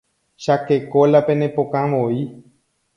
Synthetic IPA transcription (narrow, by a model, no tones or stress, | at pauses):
ʃakekolapenẽpokãʋoi